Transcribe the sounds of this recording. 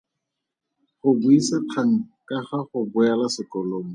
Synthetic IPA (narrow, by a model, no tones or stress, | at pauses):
χʊbuisaq͡χʰaŋ̩kaχaχʊbʊalasɪkɔloːmɔ